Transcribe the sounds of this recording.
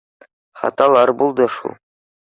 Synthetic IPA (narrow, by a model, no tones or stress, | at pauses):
χɑ̰t̪ʼalˠarbulˠd̪aʂṵ